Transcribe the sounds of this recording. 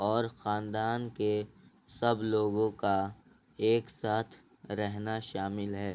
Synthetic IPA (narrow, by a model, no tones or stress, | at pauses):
ɔːɾxaːnd̪aːnke | sɐbloːɡõka | eːksaːt̪ʰ | ɾɛɦnaʃaːmɪlɦɛː